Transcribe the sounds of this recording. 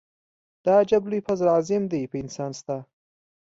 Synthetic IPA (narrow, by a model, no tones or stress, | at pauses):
d̪̥ɑd͡ʒablujpazɾɑzɪmd̪ejpəɪnsɑnst̪a